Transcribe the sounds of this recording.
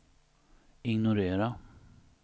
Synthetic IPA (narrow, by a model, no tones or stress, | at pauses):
ɪŋnʊɾeːɾa